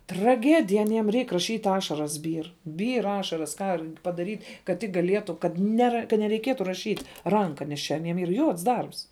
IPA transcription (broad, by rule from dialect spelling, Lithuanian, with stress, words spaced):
trɐˈɡʲæːdʲɪjɛ ɐˈnʲiɛm ˈrʲɛɪk rɐˈʃʲiːtʲ ˈɑːʃɐrɐs ˈbʲiːr ˈbʲiːr ˈɑːʃɐrɐs ˈkɑː r pɐdɐrʲiːtʲ kɐt ˈtʲɪk ɡɐˈlʲiɛtʊ kɐt ˈnʲæːrɐ kɐ nʲɛrʲɛɪˈkʲiɛtʊ rɐˈʃʲiːtʲ ˈrɐŋkɐ nʲɛs ˈt͡ʃʲɛ ɐˈnʲiɛm iːr ˈjuɔts ˈdɐrps